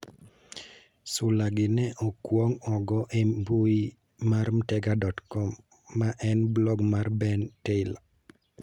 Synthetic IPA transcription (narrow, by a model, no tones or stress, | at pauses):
sʊlaɡɪnɛʔɔkwɔŋɔɡɔʔemboi | marmtɛɡadɔtkɔmː | aʔɛnblɔɡmarbɛnteɪla